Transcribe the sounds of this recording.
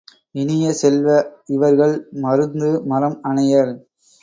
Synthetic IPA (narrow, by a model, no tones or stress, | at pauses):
ɪnɪjɐsɛlʋɐɪʋɐɾɣɐɭmɐɾɯnd̪ɯmɐɾɐmɐɳɐjɐl